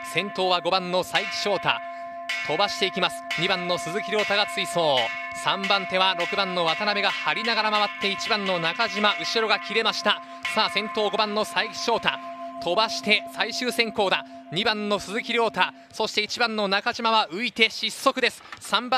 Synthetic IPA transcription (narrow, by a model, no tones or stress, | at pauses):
sẽ̞nt̪o̞ːβaɡo̞bãnːosaikʲi̥ɕo̞ːt̪a̰ | t̪ʰo̞baɕi̥t̪e̞ikʲimasɨ̥ɲ̟ibãnːo̞sɨzɨkʲiɾʲo̞ːt̪aɡat͡sɨiso̞ː | sãmbãnt̪e̞βaɾo̞kɯ̟bãnːo̞βat̪aname̞ɡahaɾʲinaɡaɾamaβat̪ːe̞it͡ɕibãnːo̞nakaʑimaʔɯ̟ɕiɾo̞ɡakʲiɾe̞maɕi̥t̪a | saːsẽ̞nt̪o̞ːɡo̞bãnːo̞saikʲi̥ɕo̞ːt̪at̪o̞baɕi̥t̪e̞saiɕɨːsẽ̞ŋko̞ːd̪a | ɲ̟ibãnːo̞sɨzɨkʲiɾʲo̞ːt̪a | so̞ɕi̥t̪e̞it͡ɕibãnːo̞nakaʑimaβaʔɯ̟it̪e̞ɕisːo̞kɯ̟d̪e̞sɨ̥sãmba